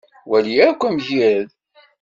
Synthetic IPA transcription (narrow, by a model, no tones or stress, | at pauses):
wælijæɾkʷːæmʝiɾð